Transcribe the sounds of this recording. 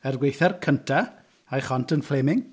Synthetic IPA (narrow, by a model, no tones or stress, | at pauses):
ɛrɡwejθɛrkʰəntʰa | ajχɔntʰənfleːmɪŋ